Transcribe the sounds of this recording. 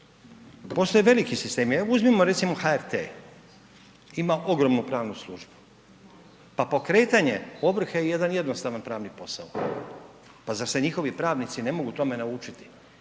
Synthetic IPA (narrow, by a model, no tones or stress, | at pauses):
po̞st̪o̞jeʋe̞likisist̪e̞ːmjuzmimoɾsimoxaeɾt̪ḛ | imaʔo̞ɡɾo̞mnupɾaːʋnuslˠuːʒbu̥ | papo̞kɾe̞ːt̪aɲe̞o̞bɾ̩xajeje̞d̪anje̞d̪no̞st̪aʋanpɾaːʋnipo̞sa̰o | pazase̞ɲixo̞ʋipɾaːʋnit̪sine̞mo̞ɡut̪o̞me̞naut͡ʃit̪i̥